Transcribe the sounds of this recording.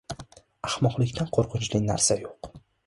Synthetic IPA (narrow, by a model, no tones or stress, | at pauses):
ahmɒqlˠɪkʲt̪ʰanqʰoɾqʰʊnt͡ʃlɪna̰ɾsajoq